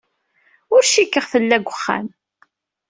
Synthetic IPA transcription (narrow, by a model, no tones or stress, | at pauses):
ʊɾʃikːəʁθəlːæɡʷəχːæ̰m